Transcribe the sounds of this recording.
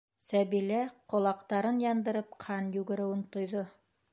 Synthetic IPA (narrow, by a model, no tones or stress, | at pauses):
sæβilæqŏlˠɑqt̪ɑɾɤnjɑnd̪ɤ̆ɾɤp̚qʰɑnjʉɡɘ̆ɾɘ̆wɘnt̪ŏjðo